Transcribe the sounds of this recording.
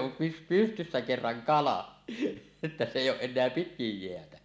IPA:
om py pystysːæ kerːɑŋ kɑlɑ etːæ se eˑijˑ oːʔ ʔenˑeæ pitkij jeætæ

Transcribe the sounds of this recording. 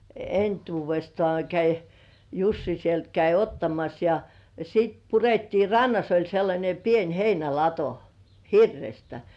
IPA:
entuːʋestŏɑˑ kæi jusːi sielt kæi otːɑmɑs jɑ sit puretːiː rɑnːɑs olʲ selːɑnʲe pien heinælɑto hirːestæ

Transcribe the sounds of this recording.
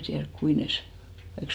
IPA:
tiærk kui nes sŏ kɑik

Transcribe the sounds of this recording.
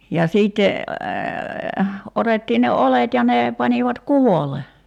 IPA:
jɑ siːtːe otetːiːn ne olet jɑ ne pɑniʋɑt kuʋole

